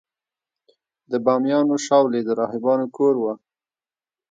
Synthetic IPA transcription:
d̪əbɑmjɑnoʃɑwled̪əɾɑhɪbɑnokʰoɾwa

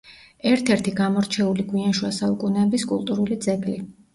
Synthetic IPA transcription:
ɛɾt̪ʰɛɾt̪ʰiɡamɔɾt͡ʃʰɛuliɡwianʃwasaukʼunɛːbiskʼṵlˠt̪ʼuɾulid̪zɛɡli

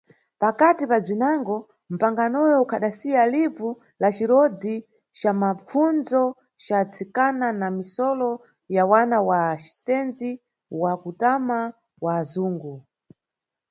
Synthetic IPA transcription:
pakatipab͡ʐinaŋɡɔ | m̩paŋɡanɔjɔukʰaɗasijalivu | lat͡ʃiɾɔd͡zi | t͡ʃamap͡funzɔ | t͡ʃat͡sʰikananamisɔlɔ | jawanawaʃi̥sɛnzi | wakutama | waːzuːŋɡu

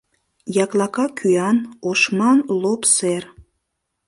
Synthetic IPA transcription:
jɑklɑkɑkʰyɑnoʃmɑnlopser

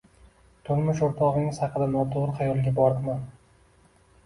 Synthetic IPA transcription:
t̪ʰʊɾmʊʃʊɾt̪ʰɒʁnɪŋɪzhɑqʰɨd̪anɒt̪ʰoɾɨχɑjɒlˠɡʲabɒɾd̪man

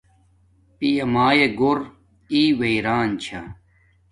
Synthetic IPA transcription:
pijɐmaːjeɡoɾ | iːweiɾaːnt͡ɕʰa

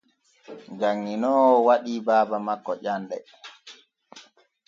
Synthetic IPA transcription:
ŋd͡ʒaŋːinɔːwɔwaɗiːbaːbamakːɔʄanɗɛ

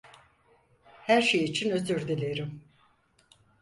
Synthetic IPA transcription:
hæɾʃejit͡ʃʰinø̞zyɾd̪ilʲeɾim

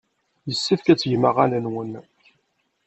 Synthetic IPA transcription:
jəsːifkæt͡sːʝməʁælənwən

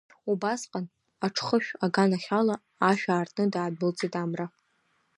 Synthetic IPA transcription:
ubasqʼan | aʈ͡ʂʰχəʃᶣaɡanaχʲalaː | ʃᶣaːrtʼʰnɨdaːdbɨlt͡sʼitʼamra

